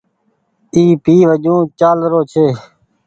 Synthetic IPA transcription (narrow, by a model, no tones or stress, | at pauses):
iːpiːʋəd͡ʒũːt͡ʃaːlɾoːt͡ʃʰeː